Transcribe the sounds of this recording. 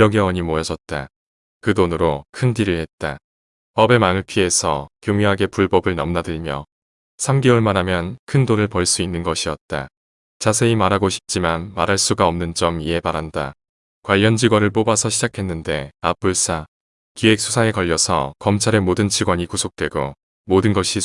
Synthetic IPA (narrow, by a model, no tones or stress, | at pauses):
jʌɡeʌɲimojʌd͡ʑʌt̚t͈a | kɯdonɯɾokʰɯndiɾiɭhe̞t̚t͈a | pʌbe̞manɯɭpʰie̞sʰʌkjoŋjuɦaɡe̞puɭbʌbɯɭnʌmnadɯɭmjʌ̰ | sʰamɡeɯɭmanɦamjʌnkʰɯndonɯɭpʌɭs͈uinːɯnɡʌɕʰiʌt̚t͈a | t͡ɕasʰe̞imaɾɦaɡoɕʰi̥p̚t͡ɕ͈imanmaɾɦaɭs͈uɡaʌmnɯnd͡ʑʌmiɦe̞baɾɦanda̰ | kwaʎːʌnd͡ʑiɡwʌnɯɭpobasʰʌɕʰid͡ʑakʰe̞nːɯnde̞ap͈uɭs͈a | kie̞k̚s͈ʰusʰaŋe̞kʌʎːʌsʰʌ̰kʌmt͡ɕʰaɾe̞modɯnt͡ɕiɡwaɲikusʰok̚t͈we̞ɡo | modɯnɡʌɕʰi